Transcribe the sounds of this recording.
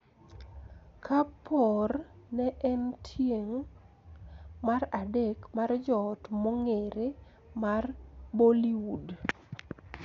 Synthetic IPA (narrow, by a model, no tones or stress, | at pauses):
kʰapʰɔrnɛʔɛntʰjeŋ | maradekmard͡ʒɔtmoŋeɾe | marboliud